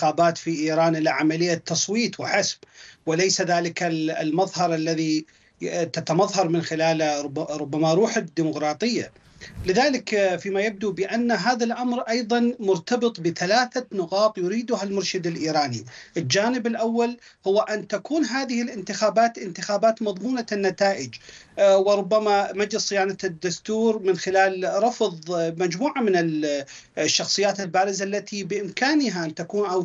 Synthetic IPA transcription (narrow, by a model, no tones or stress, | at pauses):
xaːbaːt̪fiʔiːɾaːnʔɪlaʕamalɪjːat̪ːɑsˤwiːt̪wɪħasbwɪlajsaðaːlɪkalmɑðˤhɑɾˤʔalːaði | t̪at̪amɑðˤɦɑɾˤmɪnxɪlaːlɾˤʊbːamaɾˤuːħad̪ːiːmʊqɾˤɑːt̪ˤɨjːa̰ | lɪðaːlɪkfiːmajab̚d̪ubɪʔanːaɦaːðalʔamɾʔɑjðˤɑnmʊɾt̪ɑbɨt̪ˤbɪθalaːθanʊqɑːt̪ˤjʊɾiːd̪ʊɦalmʊɾʃɪd̪ɪlʔiːɾaːniʔɪld͡ʒaːnɪbɪlʔawːal | hʊwːaʔant̪akuːnɦaːðɪhɪlʔɪnt̪ɪxaːbaːt̪ʔɪnt̪ɪxaːbaːt̪mɑðˤmuːnanːat̪aːʔɪd͡ʒwɪɾˤʊbːamamad͡ʒlɪsˤːɪjaːnad̪ːʊst̪uːɾmɪnxɪlaːlɾˤɑfðˤmad͡ʒmuːʕamɪnɪl | ʃːɑxsˤɨjːaːt̪ɪlbaːɾɪzaʔlːat̪ʰibɪʔɪmkaːnɪɦaʔant̪akuːnʔaw